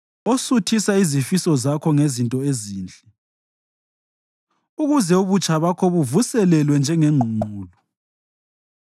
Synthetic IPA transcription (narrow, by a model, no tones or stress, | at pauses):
osutʰisaizifisɔzakʰɔŋezintʼɔeziːnt͡ɬʼɛ | uɣuzɛuβut͡ʃʼʰaβakʰoβuvusɛlɛlwɛnd͡ʒʱɛŋɛŋ͡ǃʱuŋ͡ǃʱuːlɔ